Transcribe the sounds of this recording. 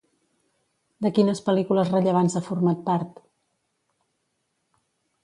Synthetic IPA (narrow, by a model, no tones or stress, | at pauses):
d̪əkinəspəlikuləzrəʎəβ̞anzafuɾmat̪̚paɾt̪